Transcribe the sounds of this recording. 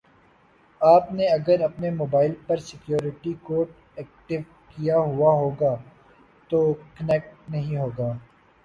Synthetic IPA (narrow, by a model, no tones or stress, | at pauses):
aːpneɐɡəɾɐpnemoːbaːɪlpɐɾsɪkjoːɾɪʈikoːʈ̚ | ɛːk̚ʈɪʋ | kijaɦʊaɦoːɡaː | t̪oːkɐnɛk̚ʈnɐɦĩɦoːɡaː